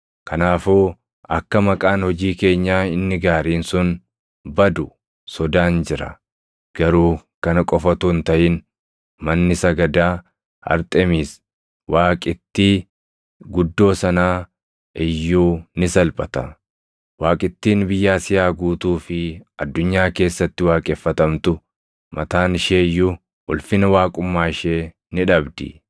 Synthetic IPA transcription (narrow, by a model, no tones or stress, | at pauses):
kʰɐnaːfoː | ɐkːɐmɐkʼaːnhɔd͡ʒiːke̞ːɲːaːɪnːɪɡaːɾiːnsʊn | bɐd̪ʊ | sɔd̪aːnd͡ʒɪɾɐ̰ | ɡ̥ɐɾuːkɐnɐkʼɔfɐt̪uːnt̪ɐʔɪn | mɐnːɪsɐɡɐd̪aː | ɐ̰ɾt̪ʼɛmiːs | wʔaːkʼɪt̪ːiː | ɡʊd̪ːo̞ːsɐnaː | ʔɪjːuːnɪsɐlpʼɐt̪ɐ | waːkʼɪt̪ːiːnbɪjːaːsɪjaːɡuːt̪uːfɪɐd̪ːʊɲːaːke̞ːsːɐt̪ːɪwaːkʼɛfːɐt̪ɐmt̪ʊ | mɐt̪aːnɪʃeːɪjːʊ | ʔʊlfɪnɐwaːkʼʊmːaːɪʃeː | nɪᶑɐbd̪ɪ̰